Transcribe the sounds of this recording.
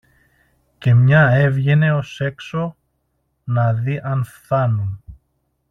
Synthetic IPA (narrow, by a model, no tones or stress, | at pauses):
ce̞mɲɐe̞vʝe̞ne̞o̞se̞kso̞ | nɐðiʔɐnfθɐnun